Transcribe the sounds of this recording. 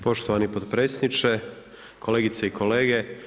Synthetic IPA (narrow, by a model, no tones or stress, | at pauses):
po̞ʃt̪oʋanipod̪pɾeːsnit͡ʃe | kʰo̞leːɡit̪seikʰole̞ːɡe